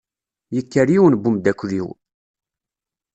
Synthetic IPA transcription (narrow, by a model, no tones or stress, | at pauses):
jəkːəɾjiwənbumd̪ækʷːðiw